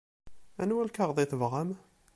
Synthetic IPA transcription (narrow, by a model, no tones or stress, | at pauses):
ænwælkaʁðˤiθəvʁam